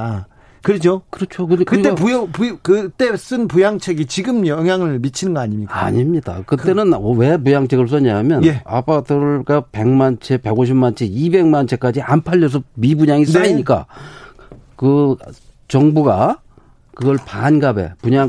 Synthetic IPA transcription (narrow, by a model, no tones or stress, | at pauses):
a | kɯɾet͡ɕʰokɯɾʌt͡ɕʰokɯkɯikteapujʌpukɯt͈e̞s͈ɯnpujaŋt͡ɕʰeɡit͡ɕiɡɯmjʌŋjaŋɯɭmit͡ɕʰinɯnŋɡʌaɲimɲika̰ɲimɲid̥a̰kɯt͈e̞nɯnʌwe̞p̬ujaŋt͡ɕʰe̞ɡɯɭs̬͈ʌɲamjʌnea̰padɯɡape̞ŋmant͡ɕʰepe̞ɡoɕ̬ʰimant͡ɕʰeibe̞ŋmant͡ɕʰe̞k͈ad͡ʑiʔampʰaʎːʌs̬ʰʌmibuɲaŋinaiɲik͈a̰ | kɯ | t͡ɕʌŋbuɡa̰ | kɯɡʌɭpanɡabe̞̰puɲaŋ